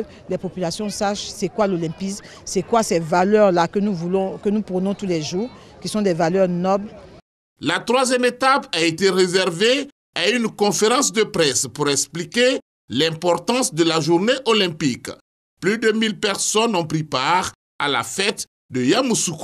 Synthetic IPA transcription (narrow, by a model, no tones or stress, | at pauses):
lɛpopylasjɔ̃saʃsɛkwalolɛ̃pis | sɛkwasɛvalœʁlakənuvulɔ̃kənupʁənɔ̃t̪ulɛʒuːʁkʲisɔ̃d̪ɛvalœʁnɔbl | lat̪χwazjɛmet̪apaet̪eʁezɛʁve | aynkɔ̃feʁɑ̃sd̪əpχɛspuʁɛksplike | lɛ̃pɔʁt̪ɑ̃sd̪əlaʒuʁneʔolɛ̃pik | plyd̪əmilpɛʁsɔnɔ̃pʁipaʁ | a̰la̰fɛt̪ | d̪əjamusuk